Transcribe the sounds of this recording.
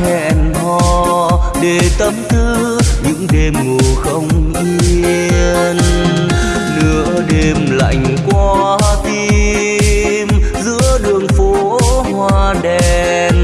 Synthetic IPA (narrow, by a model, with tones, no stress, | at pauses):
hɛ̰˧˩nhɔ˧˩ɗe˧˩t̪ə˨˦mt̪ʰɨ˧˦ | ɲɨ̰˧˥ŋɗe˧mŋɨ˨˩əxə˧wŋ͡mʔi˧əən | nɨ̰˧˥əɗe˧mla̰˧˨jŋ̟kwa˧t̪i˧ | mzɨ̰˧˥əɗɨ˨˩əŋfo˨˧˦ | hwaː˧ɗɛ˨ | n